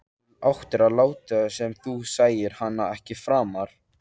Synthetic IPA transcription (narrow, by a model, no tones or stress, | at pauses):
awht̪ɪɾaðlaːwt̪ɪsɛmθusaːjɪɾ̥hanːaɛhcɪfɾaːmaɾ̥